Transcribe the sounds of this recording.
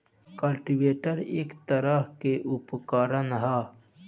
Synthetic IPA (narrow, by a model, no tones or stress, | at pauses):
kɐlʈiweːʈəɾeːkt̪ɐɾahkeʔupkaːɾɐnɦaː